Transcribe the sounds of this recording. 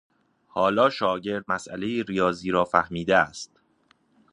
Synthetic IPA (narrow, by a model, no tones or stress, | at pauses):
hɒːlɒːʃɒːɟe̞ɾd̪̚mæsʔæle̞jiːɾijɒːziːɾɒːfæhmiːd̪eæst̪̚